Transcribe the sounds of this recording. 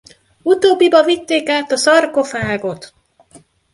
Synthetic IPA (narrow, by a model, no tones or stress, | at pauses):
ut̪oːbːibɒvit̪ːeːkaːt̪ɒsɒrko̞faːɡo̞t̪